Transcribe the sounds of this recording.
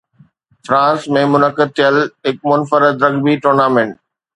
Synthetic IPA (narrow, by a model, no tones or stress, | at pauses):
fɾãːnsmẽmʊnəkɪd̪̚t̪ʰijəlɦɪk̚mʊnfəɾɪd̪ɾɐɡbiʈʊːɾnaːmẽːɳʈ